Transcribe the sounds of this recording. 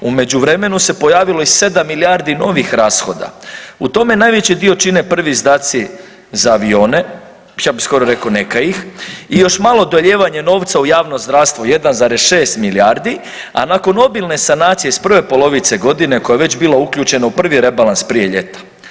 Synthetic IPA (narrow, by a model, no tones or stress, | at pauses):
ume̞d͡ʑuʋɾe̞me̞nuse̞po̞jaːʋilo̞isse̞d̪amːilijaɾd̪ino̞ʋixɾaːsxo̞d̪a̰ut̪o̞me̞najʋe̞t͡ɕid̪io̞t͡ʃine̞pr̩ʋizd̪aːt̪si | zaːʋio̞ːne̞ | jabisko̞ɾoɾe̞konekajixijo̞ʃmalˠo̞d̪oʎe̞ːʋaɲe̞no̞ːʋt̪saujaːʋnozd̪ɾaʋst̪ʋoje̞d̪anzaːɾe̞sʃe̞ːst̪miliaːɾd̪i | a̰nako̞no̞bilˠne̞sanaːt̪sijespr̩ʋe̞po̞lo̞ʋit̪se̞ɡo̞d̪ine̞ko̞jaʋe̞t͡ɕbilaukʎʲuːt͡ʃe̞naupr̩ʋiɾe̞balˠanspɾije̞ʎe̞t̪ḁ